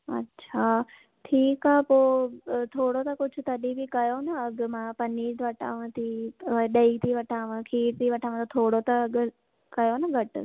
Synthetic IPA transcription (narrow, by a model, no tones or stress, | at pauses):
ɐ̰tːɕʰa | ʈʰiːkaːpoːt̪ʰoːɽot̪ɐkʊt͡ʃʰut̪ɐɗibʱikɐjonaɐɡmãpɐnːiːʈʋɐʈʰa̰ːʋãt̪iɗəit̪ʰiʋɐʈʰaːʋãkʰiːʈt̪iʋɐʈʰaːʋãt̪ot̪ʰoːɽot̪ɐɡ | kɐjonaɡʱəʈ